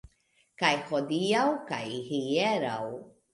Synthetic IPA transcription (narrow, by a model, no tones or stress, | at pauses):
kajhod̪iawka̰jhieɾa̰w